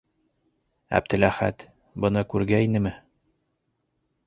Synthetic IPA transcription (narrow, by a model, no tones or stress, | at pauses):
æ̰b̚d̪ɘ̆læχæ̰t̪ | bɤ̆nɤkʉɾɡæinɘmɘ